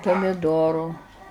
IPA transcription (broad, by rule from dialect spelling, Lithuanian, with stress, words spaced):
pɐmʲɪˈdoːrʊ